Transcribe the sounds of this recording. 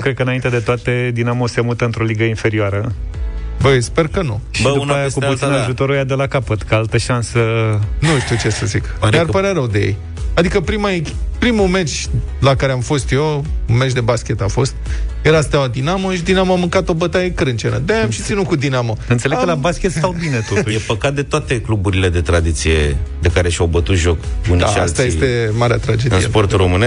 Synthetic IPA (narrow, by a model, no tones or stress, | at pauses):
kɾed̪̚kəɨnaint̪ed̪e̞t̪oat̪ed̪inamose̞mut̪əɨnt̪ɾo̞liɡəinfe̞ɾioaɾə | bəsperkənṵʃbdupnajakuosinaʒut̪o̞ɾujad̪elakapət̪kaalt̪əʃansənuʃt̪iut͡ʃe̞səzikd̪arpaɾeaɾəwd̪ejḛj | ad̪ikəpɾimaekʲpɾimumet͡ʃʲlakaɾeamfo̞st̪jewunmet͡ʃd̪e̞baskʲe̞t̪afo̞st̪jeɾast̪awad̪inamoʃid̪inamoamɨŋkat̪o̞bət̪ajekɾɨnt͡ʃenə̰d̪aamʃi̥t̪sinukud̪inamoɨnt̪seleɡkəlabaskʲest̪awbinet̪ojepəkat̪̚d̪e̞t̪oat̪eklubuɾile̞d̪e̞t̪ɾad̪it̪sije̞̰d̪e̞kaɾe̞ʃawbət̪ut̪ʒo̞kunat͡ʃaa̰st̪ajest̪e̞maɾea̰t̪ɾad͡ʒed̪ɨ̰n̰spo̞rt̪uro̞mɨnes